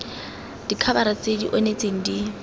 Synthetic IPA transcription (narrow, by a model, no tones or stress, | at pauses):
d̥ikʰabaɾat͡sʼedḭʔɔnet͡sʼeŋ̩di